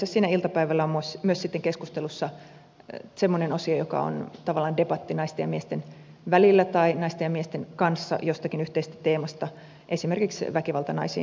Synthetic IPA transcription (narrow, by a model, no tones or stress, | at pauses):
sessiːnæilt̪ɑpæiʋælːæomusmyøsit̪ːeŋkeskust̪elusːɑ | semːonenosiojokɑ̰o̰nt̪ɑʋɑlːˑɑːndepɑt̪ːinɑist̪ejɑmiest̪en | ʋælilːæt̪ɑinɑist̪ejɑmiest̪enkɑnsːɑ̰jost̪ɑkinyht̪eist̪æt̪eːmɑst̪ɑ | ʔesimerkiksʋækiʋɑlt̪ɑnɑ̰isḭːn